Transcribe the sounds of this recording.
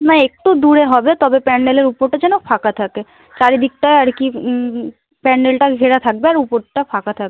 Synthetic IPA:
naek̚ʈud̪uɾeɦɔbet̪ɔbepɛnːeleɾupoɾʈad͡ʑɛnofʰakat̪ʰake | t͡ʃaɾid̪ik̚ʈaeaɾki | pɛnːelʈaɡʱeɾat̪ʰak̚beaɾupoɾʈapʰakat̪ʰakbe

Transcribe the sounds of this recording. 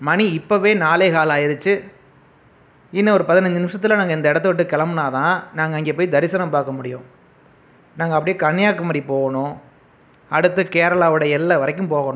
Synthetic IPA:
mɐniɪpːɐʋeːnaːleːɣaːlaːjɪɾɯt͡ʃːɯ | ɪnːɐɔɾɯpɐðɪnɐɲd͡ʒɯnɪmʂɐt̪̬ːɪlɐnaːŋɡɐɪnd̪ɐɪɽɐt̪̬ːɯʋɪʈːɯkɛlɐmɯnaːt̪ãːnaːŋɡɐɪŋɡeːpoːjd̪ɐɾɪsɐnɐmpaːɾkɐmʊɽɪjʊ̃ː | naːŋɡɐpːɐɽɪjeːkɐɳːɪjaːkːɐmɐːdɾipoːɣɐnʊ̃ | ɐɽɯt̪ːɯkeːɾɐɭaːʋɯɽɐjɛlːɐʋɐɾɐk̬ːɯ̃mpoːɣɐɳʊ̃

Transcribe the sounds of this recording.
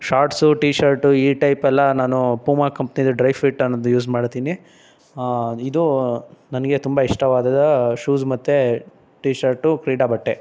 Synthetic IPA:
ʃaːɾʈsuʈiːʃɐɾʈuiːʈɐjpɛlːɐnaːnupuːmaːkɐmpnid̪ɐɖɾɐjfiʈːɐnːɐːd̪ujuːsmaːɖt̪iːni | id̪unɐnɐɡe̞t̪umbɐiʂʈɐʋaːd̪ɐd̪ɐʃuːzmɐt̪ːe | ʈiːʃɐɾʈukɾiːɽabɐʈːe

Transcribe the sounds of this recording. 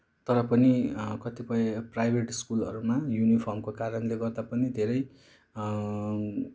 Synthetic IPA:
t̪ʌɾʌpʌnikʌt̪ipʌjeprajbʱeʈiskulʌ̰ɾumajunipʰʌrmkokaɾʌnleɡʌrd̪apʌnid̪ʱeɾʌj

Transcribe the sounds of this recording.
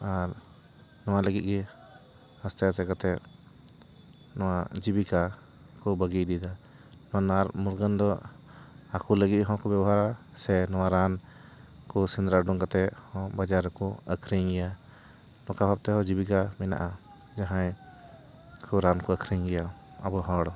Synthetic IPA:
aɾ | nɔwaləɡit̪̚ɡɛ | hast̪ajasɛkat̪ɛʔ | nɔwad͡ʒibika | kɔbəɡid̪id̪a | nɔwanaɾmuɾɡənd̪ɔ | akuləɡit̪̚ɦɔ̃kɔbɛbɔɦaɾa | sɛnɔwaɾan | kɔsind̪ɾaɖɔŋkat̪ɛhɔ̃bad͡ʒaɾkɔəkʰɾiŋɡɛja | nɔkabʱab̚t̪ɛɦɔ̃d͡ʒibik̬amɛna̰ʔa | d͡ʒaɦãj | kʰɔɾankɔəkʰɾiŋɡɛja | a̰bɔɦɔ̃ɽɔ

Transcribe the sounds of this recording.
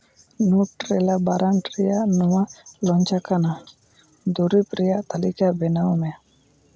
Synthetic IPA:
nuʈɾɛlabaɾaŋʈɾɛjaʔnɔwalɔɲt͡ʃakana | d̪uɾipɾɛjaʔt̪alikabɛnawmɛja

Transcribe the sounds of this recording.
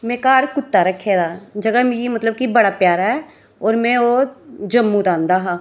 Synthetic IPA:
mẽːkaːɾkʊt̪ːaɾəkʰːeːd̪aːd͡ʒɐɡamiimɐt̪ləb̚kibɐɽapjaːɾɦɛː | ɔːɾmɛ̃od͡ʒɐmːũd̪ãːnd̪aɦãː

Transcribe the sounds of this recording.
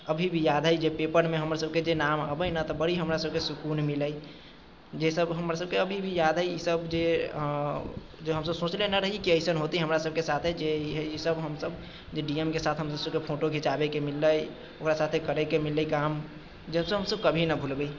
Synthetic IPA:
əbʱibʱijad̪ʱɦəjd͡ʒepepəɾmeɦəmɾasəb̚ked͡ʒenamə̰bəjnət̪ɔbəɽ̤iɦəmɾasəb̚kesukunmiləj | d͡ʒesəbɦəmɾasəb̚keəbʱibʱijad̪ʱɦəjisəbd͡ʒe | d͡ʒeɦəms̬əbsõt͡ʃlenəɾəɦikiəɪsənɦot̪iɦɦəmɾasəb̚kesat̪ʰed͡ʒeɦisəbɦəmsəb | d͡ʒeɖiemkesat̪ʰɦəmssəbkepʰoʈoɡʱit͡ʃabekemilːəj | okɾasat̪ʰekəɾekemilːəikam | d͡ʒesəbsəɦəmsəb̚kəbʱinəbʱulbəi

